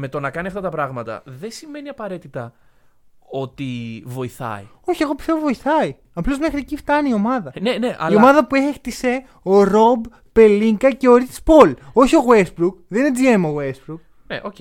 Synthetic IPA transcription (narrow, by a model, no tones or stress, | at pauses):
me̞t̪o̞nɐkɐniɐft̪ɐt̪ɐpɾɐɣmɐt̪ɐ̰ðe̞sime̞niɐpɐɾe̞t̪it̪ɐ | o̞t̪ivo̞iθɐ̰ḭ | o̞çie̞ɣo̞pi̥st̪evovo̞iθɐi | ɐplo̞zme̞xɾiecift̪ɐniio̞mɐðɐneneʔɐ̰iomɐðɐpue̞xt̪ise̞ | o̞ɾo̞bː | e̞liŋɡɐce̞oɾispo̞lo̞çio̞ɣwesbɾukðined͡zie̞moɣwesbɾuk̚ | nḛʔoce